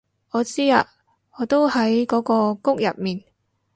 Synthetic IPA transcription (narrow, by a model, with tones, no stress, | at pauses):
ɔː˨˧t͡siː˥a̰ː˧ | ŋɔː˨˧t̪o˥whɐ˨˥jkɔː˨˥kɔː˧kʊ˥k̚jɐ̰˨p̚miː˨n